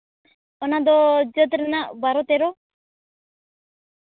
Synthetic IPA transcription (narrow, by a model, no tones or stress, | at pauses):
ɔnad̪ɔd͡ʒət̪ɾɛnabaɾɔt̪ɛɾɔ